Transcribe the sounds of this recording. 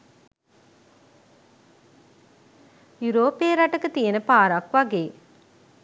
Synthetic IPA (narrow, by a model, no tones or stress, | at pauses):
juɾoːpeːɾaʈəkət̪ijənəpaːɾɐkʋaɡeː